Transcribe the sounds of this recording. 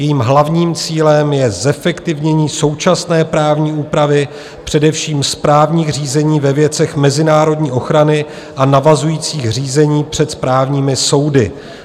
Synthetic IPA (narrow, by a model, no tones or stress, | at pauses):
jɛjiːmɦlavɲiːmt͡siːlɛmjɛzɛfɛkt̪ɪvɲɛɲiːso̞wt͡ʃasnɛːpɾaːvɲiːuːpɾavɪ | pr̝̥ɛdɛfʃiːmspɾaːvɲiːxriːzɛɲiːvɛvjɛt͡sɛxmɛzɪnaːɾo̞dɲiːʔo̞xɾanɪ | ʔanavazujiːt͡siːxr̝iːzɛɲiːpr̥ɛt̪spɾaːvɲiːmɪso̞wdɪ